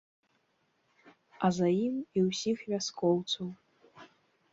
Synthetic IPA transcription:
ɐzajimiwsʲixvʲaskɔwt̪sɐw

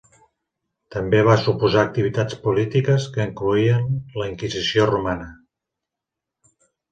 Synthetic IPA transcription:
t̪əmbeβ̞asupuzaːk̚t̪iβ̞it̪at͡spulit̪ikəskəiŋkluiənləiŋkizisiorumanə

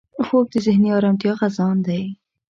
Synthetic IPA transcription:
xok̚d̪əzɪhniɑɾamt̪ijɑɣazɑnd̪aj

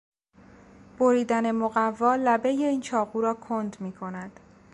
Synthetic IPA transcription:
b̥oɾiːd̪æne̞moɣævːɒːlæbe̞je̞iːnt͡ʃʰɒːɣuːɾɒːkʰond̪miːkʰo̞næd̪̥

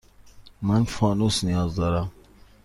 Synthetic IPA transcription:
manfɑnusnijɑːzd̪aɾa

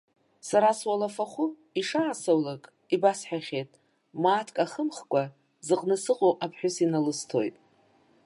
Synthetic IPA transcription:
saɾaswalafaχʷʊ | iʂaːsowlakʼ | ibasħᶣaχʲejtʼ | maːtʰkʼaχəmχkʷʼa | zɨqʼnɨsɨqʼoʔapʰħʷᶣʊsinalɨstʰo̞jtʼ

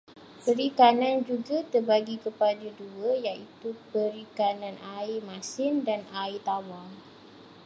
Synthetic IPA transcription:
pəɾikanãnd͡ʒuɡat̪ərbaɡikəpadəduəjaʔit̪upəɾikanãnaimãsɪndanait̪awal

